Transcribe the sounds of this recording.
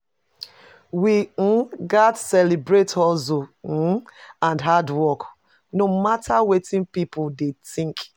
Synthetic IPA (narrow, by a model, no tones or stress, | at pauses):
wiɡatsɛlibɹetɔso | ãndɦadwɔk | nomatawetĩnpipʊdetĩŋk